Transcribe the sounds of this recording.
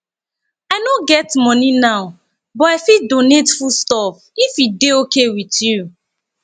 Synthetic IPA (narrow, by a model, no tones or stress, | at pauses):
aɪnoɡɛtmɔninaʊ | bɔaɪfidonetfulstɔf | ifideokewitju